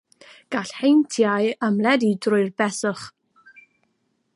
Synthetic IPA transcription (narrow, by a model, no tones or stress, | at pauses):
ɡ̥aɬhejntʰjajəmlɛdidrʊɨrbɛsʊχ